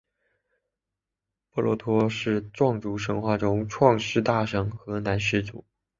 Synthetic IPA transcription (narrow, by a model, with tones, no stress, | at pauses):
pɔ˥˩lwɔ̰˧˥t̪ʰwɔ˥ʂɻ̩˥˧ʈ͡ʂwɑ˥˩ŋʈ͡ʂu˧˥ʂɤ˧˥ŋxwa˥˩ʈ͡ʂʊ˥ŋʈ͡ʂʰwɑ˥˧ŋʂɻ̩˥˧t̪a˥˩ʂɤ˧˥ŋxɤ˧˥na˧˥nʂɻ̩˥˩t͡sṵ˨˩˦